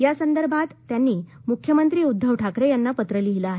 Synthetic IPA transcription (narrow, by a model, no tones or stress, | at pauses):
jasənd̪əɾbʱat̪ːjanːiːmukʰjəmənt̪ɾiːud̪ʱːəʋʈʰakɾejanːapət̪ɾəliɦilaːɦe